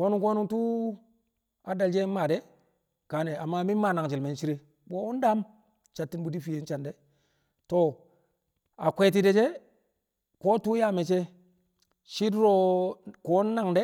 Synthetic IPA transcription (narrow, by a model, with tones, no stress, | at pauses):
ko˦nu˦ŋko˦nu˦ŋtu˦ | a˨da˨ld͡ʒe˦ma˨de˦ | ka˨ne˨a˨mːa˦mi˦ma˨na˨ŋt͡ʃi˨lme˨n˦t͡ʃi˦ɾi˦ | ɓo˦u˦n˦da˦m | t͡ʃa˨tːi˦n˦bu˨di˦fi˨je˦n˦t͡ʃa˨nde˦ | to˨ | a˨kʷe˨t̬i˨de˨t͡ʃe˦ | ko˦tu˦ja˦me˨t͡ʃe˦ | ʃi˦dɾo˦ko˨˦nː˦a˦˨ŋde˦